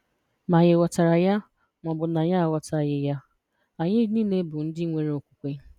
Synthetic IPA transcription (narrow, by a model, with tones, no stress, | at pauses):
ma˨ɲɪ˨wa˨ta˨ɾa˨ja˦ | mʷɔ˨bʊ˨na˨ɲa˦a˨wa˨ta˦˨ɣɪ˨ja˦ | a˨ɲɪ˦niː˦ne˦bʊ˨n̩˦dɪ˦ŋʷe˦ɾe˦o˨kʷu̥˦kʷe˦